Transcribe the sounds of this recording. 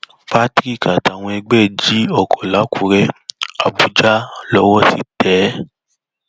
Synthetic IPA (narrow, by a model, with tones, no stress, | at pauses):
fa˦tɾi˦˨ka˨ta˨w̃ɔ̃˧ɛ˧ɡ͡bɛ˦˨d͡ʒi˨˦ɔ˦˨kʰɔ˨la˨˦kʰu˨˦ɾɛ˧a˨bu˨d͡ʒa˦lɔ˦wɔ˦ti˦tɛː˨˦